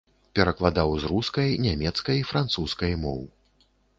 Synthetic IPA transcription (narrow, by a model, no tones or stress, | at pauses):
pʲɛɾɐklˠad̪awzruskɐjnʲamʲɛt̪skɐjifɾant̪suskɐjmɔwɨ